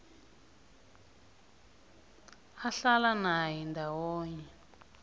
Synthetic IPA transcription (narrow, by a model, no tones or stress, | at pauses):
aɬalanaɦindʱawɔːɲɛ